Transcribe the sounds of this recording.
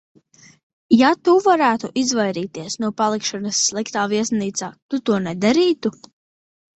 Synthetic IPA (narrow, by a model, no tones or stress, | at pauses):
jat̪uvaɾæːt̪uʔizvajɾiːt̪iɛsnuɔpalˠikʃɔnɐsːlˠikt̪aːviɛsniːt̪saːt̪ut̪uɔnɛd̪aɾiːt̪u